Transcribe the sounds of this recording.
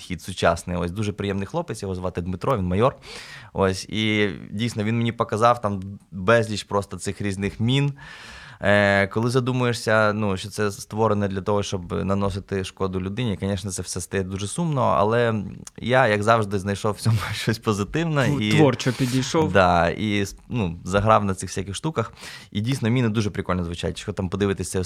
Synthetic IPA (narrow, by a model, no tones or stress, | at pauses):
xʲid̪sʊt͡ʃɑ̰snɪ̰jɔsʲd̪uʒɛpɾɪjɛmnɪjxlˠɔpɪt͡s̪ʲjɔɦɔzʋɑt̪ɪd̪mɪt̪ɾɔʋʲinmɐjɔro̰sʲḭdʲijsnɔʋʲinmenʲipɔkɐzɑwt̪ɑmbɛzʲlʲit͡ʃpɾɔst̪ɔt̪sɪxɾʲiznɪxmʲin | kɔlˠɪzɐd̪umʊjeʂsʲɐnuʃt͡ʃɔt̪sɛst̪ʋɔɾenɛd̪lʲɐt̪ɔɦɔʃt͡ʃɔbnɐnɔsɪt̪ɪʃkɔd̪ʊlʲʊd̪ɪnʲikɔnʲɛʃnɛt̪sɛwsʲɛst̪ɐjɛd̪uʒɛsumnɔ̰ʔɐ̰lˠɛjajɐɡzɑwʐd̪ɪznɐjʃɔwt͡sʲɔmʊʃt͡ʃɔsʲpɔzɪt̪ɪwnɐiʋɔrt͡ʃɔpʲidʲijʃɔwd̪ɑinuzɐɦɾɑwnɐsɪxwsʲakʲɪxʃt̪ukɐxidʲijsʲnɔmʲinɪd̪uʐɛpɾɪkɔlʲnɔzʋʊt͡ʃa̰jt̪ʲʃɔt̪ɑmpɔd̪ɪʋɪt̪ɛsʲɐ